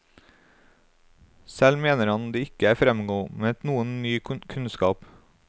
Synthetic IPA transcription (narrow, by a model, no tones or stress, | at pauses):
sɛlmeːnəɾhɑnd̪iːɪkəæːfɾɛmɡoːmeːɛt̪nuːənnyːkʰʉnskɑːp